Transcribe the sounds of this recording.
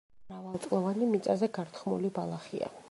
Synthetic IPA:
mɾavalˠt̪sʼlˠɔvanimit̪sʼazɛɡaɾt̪χmulibalˠaχḭa̰

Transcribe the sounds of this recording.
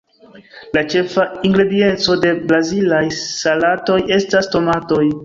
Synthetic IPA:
lat͡ʃe̞faiŋɡɾe̞die̞nt͡so̞de̞bɾazilajsalato̞je̞stasto̞mato̞j

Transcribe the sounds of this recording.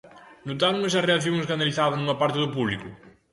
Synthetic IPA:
not̪̬anmʊs̬ɐreaθjoŋeskand̪aliθaðɐnuŋɐpaɾt̪ɪðʊpuβlikʊ

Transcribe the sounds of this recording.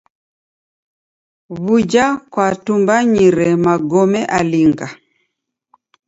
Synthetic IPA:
βud͡ʒakwatumbaɲiɾɛmaɡɔmɛʔaliŋɡa

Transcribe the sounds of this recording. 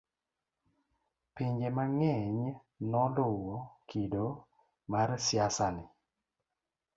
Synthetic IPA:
pɪɲd͡ʒemaŋɛɲ | nɔlʊwɔkido | maɾsjasanɪ

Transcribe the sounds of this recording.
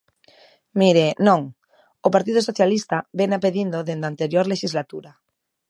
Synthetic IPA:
miɾenõŋ | opaɾt̪ið̞osoθjalist̪abenapeðind̪oðend̪ant̪eɾjoɾleʃizlat̪uɾa

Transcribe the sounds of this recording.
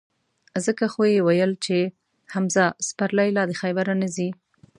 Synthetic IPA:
zəkaxojewajəlt͡ʃe | hamzaspaɾlajlɑd̪exajbaɾanəzi

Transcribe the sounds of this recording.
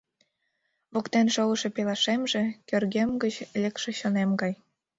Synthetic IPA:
βokt̪enʃolɤ̆ʃepelɑʃemʒĕkʲørɣemɡət͡ɕlʲekʃĕɕonemɡɑj

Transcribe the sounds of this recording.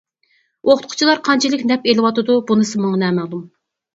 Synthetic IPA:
oχʊt̪qʰʊ̥t͡ʃʰilˠɑɾqʰɑnt͡ʃʰilɪkʲnɛpelɨwɑt̪ɨd̪ubunɨsɨmɑŋɑnɛːmɛlˠum

